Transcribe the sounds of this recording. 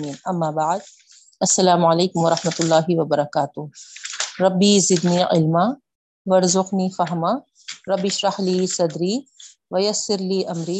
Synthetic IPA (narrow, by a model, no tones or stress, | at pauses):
iːnɐmːaːbaʕd̪̚ | ɐsːɐlaːmʊʕɐleːkʊmwɐɾˤɑħmɐt̪ʊlːaːɦɪwɐbɐɾˤɐkaːt̪ʊɦɾˤɐbːiːzɪd̪niːʕɪ̰lma | wɐɾzʊɣniːfɐɦma | ɾˤɐbːɪʃɾɑħliːsɐd̪ɾiː | ʋɐjɐsːɪɾliːʔɐmɾiː